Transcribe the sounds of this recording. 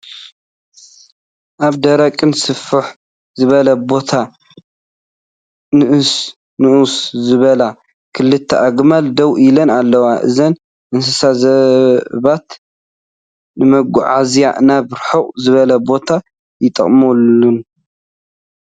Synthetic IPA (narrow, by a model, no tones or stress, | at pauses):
ʔaβd̪ɐɾɐkʼɨnsɨfɨħ | zɨβɐlɐbo̞t̪ʰa | nɨʔɨs | nɨʔuszɨβɐla | kʰɨlːɨt̪ʰːɐʔaɡmald̪ɐwilɐnalːɐwaʔɨ̰zɐn | ʔɨns̬ɐsazɐβat̪ | nɨmɐɡuʕazja̰naβɾħowzɨβɐlɐbo̞t̪ʰa | jɪt̪ʼɐ̰χʼmolun